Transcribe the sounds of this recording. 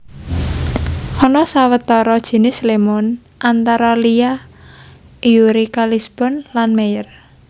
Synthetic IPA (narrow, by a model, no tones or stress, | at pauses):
ʔɔnɔsawət̪ɔɾɔd̥ʒ̥i̤nɪslemɔn | ʔant̪aɾalia | iuɾikalisb̥ɔnlanmejər